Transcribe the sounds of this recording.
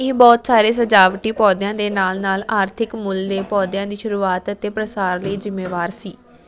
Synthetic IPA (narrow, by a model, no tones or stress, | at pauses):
eːbɔːt̪saːɾeːs̬əd͡ʒaːʋʈiːpɔːd̪ɪjãːd̪eːnaːlnaːlaːɾt̪ʰɪkmʊld̪eːpɔːd̪ɪjãːd̪iːʃʊɾuːaːt̪ət̪eːpɾəsaːɾləiːzɪmːeːʋaːɾsiː